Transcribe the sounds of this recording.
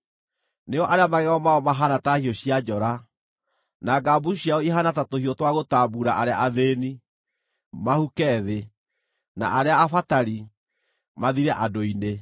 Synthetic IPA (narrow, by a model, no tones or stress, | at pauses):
neɔʔaɾeamaɣɛɣaɔmaɔmaɦanatahiɔɕiad͡ʒɔɾa | naɡabuɕjaɔiɦanatatohiɔtwaɣotaːbuɾaʔaɾeaʔaðeːni | mahukɛðe | na̰ʔaɾeaːfataɾi | maðiɾɛʔadoine